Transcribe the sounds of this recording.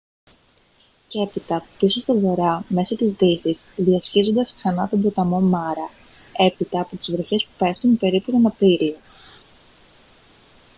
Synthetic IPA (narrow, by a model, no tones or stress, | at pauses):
ce̞pit̪ɐpiso̞st̪ovo̞ɾɐme̞so̞t̪izðisizðiɐsçizo̞nd̪ɐsksɐnɐt̪ombɾo̞t̪ɐmo̞mɐɾɐ | e̞pit̪ɐːpo̞t̪izvɾo̞çe̞spupe̞ft̪unpe̞ɾipuenɐpiɾio